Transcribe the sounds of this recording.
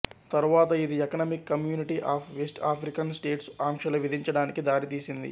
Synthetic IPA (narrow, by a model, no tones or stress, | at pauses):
t̪ɐɾuʋaːt̪ɐid̪iɛkɐnɐmikːɐmjuːniʈiʔaːpʰʋesʈaːpʰɾikɐnsʈe̞ːʈsaːŋkʂɐlɐʋid̪ʱiɲt͡ʃɐɽaːnikid̪aːɾit̪iːsind̪ḭ